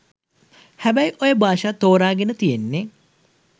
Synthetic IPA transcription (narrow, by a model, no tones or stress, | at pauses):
hæbæjʔojəbaːʃat̪oːɾaːɡenət̪ijenːe